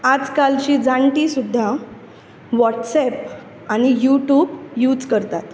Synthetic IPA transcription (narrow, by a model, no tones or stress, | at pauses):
ad͡zkalt͡ɕiːd͡zaɳʈiːsud̪ʱːa | ʋɔʈsɛp | añijuʈjuːbjuːd͡zkəɾt̪at̪